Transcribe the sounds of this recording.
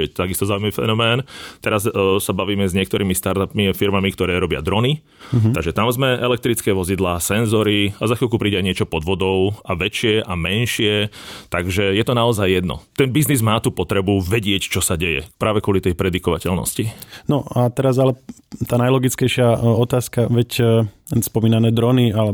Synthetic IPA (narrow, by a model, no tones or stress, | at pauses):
ɛt̪aɡist̪ɔzaumaifɛ̰nɔmɛːnt̪ɛɾazsabaʋiːmɛzɲɪɛkt̪ɔɾiːmist̪aɾt̪apmifiɾmamikt̪ɔɾɛːɾɔbɪa̰d̪ɾɔni | t̪aɡʒɛt̪amzmɛʔɛlɛk̚t̪ɾit͡skɛːʋɔzid̪laːsɛnzɔɾiazaxilkupɾiːɟɛajɲɪɛt͡ʃɔpɔd̪ʋɔd̪ɔʊaʋɛt͡ʃɪɛʔamɛnʃɪɛt̪aɡʒɛjɛt̪ɔnaɔzajːɛd̪nɔ̰t̪ɛnbiznizmaːt̪uːpɔt̪ɾɛbuʋɛɟɪɛct͡ʃɔsaɟɛjɛ̰pɾaːʋɛkɔlit̪ɛjpɾɛd̪ikɔʋa̰cɛlnɔ̰scinɔat̪ɛɾazalɛ | t̪aːnajlɔɡit͡skɛjʃɪaɔt̪aːskaʋɛc | spɔmiːnanɛːd̪ɾɔnialɛ